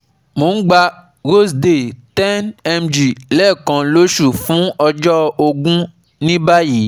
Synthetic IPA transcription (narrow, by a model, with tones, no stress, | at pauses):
mo˨˦n̩˦ɡ͡ba˧ | ɣo˦sde˨tɛ̃˦nɛ˧md͡ʒi˨lɛ˦˨kɔ̃˨lo˦ʃu˦˨fũ˦ɔ˧d͡ʒɔ˦o˧ɡũ˦ | nĩ˦ba˦ji˨˦